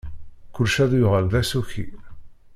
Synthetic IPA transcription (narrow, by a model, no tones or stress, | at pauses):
kʊlʃæðjʊʁəlðæsuçḭ